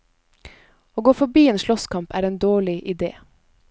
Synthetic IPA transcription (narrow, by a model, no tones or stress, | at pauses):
oːɡoːfɔbiːeːnʃlɔskʰɑmpʰæːɾeːnd̪oːɭɪʔɪd̪ḛː